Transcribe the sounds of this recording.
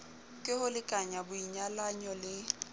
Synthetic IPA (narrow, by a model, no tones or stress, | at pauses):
kʼɪhʊlɪkʼaɲabʊiɲalaɲɔlɪ